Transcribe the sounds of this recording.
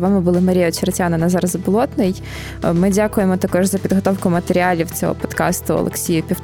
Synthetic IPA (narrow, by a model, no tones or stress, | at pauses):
ʋɑmɪbʊlˠɪmɐɾʲijɔt͡ʃeɾɐtʲanɐnɐzɑɾɐzɐbʊlˠɔt̪nɪj | mɪdʲakʊjemɔt̪ɐkɔʒzɐpʲid̪ɦɔt̪ɔwkʊmɐt̪eɾʲɪɑlʲiwt͡sʲɔ̰ɦɔ̰pɔt̪kɑ̰st̪ʊɔ̰lˠḛksʲijʊpʲiw̪